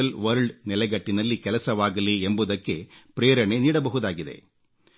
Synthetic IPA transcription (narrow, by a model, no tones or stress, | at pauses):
ɐlʋɐɾɭɖnɪlɐɪɣɐʈːɪnɐlːikɛlɐsɐʋaːɣɐliːɛmbɯðɐkːepɪɾeːɾɐɳeniːɽɐpɐɣɯðaːɣɪðḛː